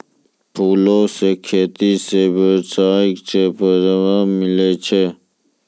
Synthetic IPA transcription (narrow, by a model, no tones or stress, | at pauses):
pʰuːloːsekʰeːt̪iːsebəsaːikt͡ʃʰepəzəʋãːmileːt͡ʃʰe